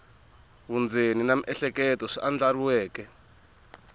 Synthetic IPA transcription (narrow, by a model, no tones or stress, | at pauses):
βund͡zeninam̩ʔɛɬɛkɛtɔʂiʔand͡ɮaruwɛːkɛ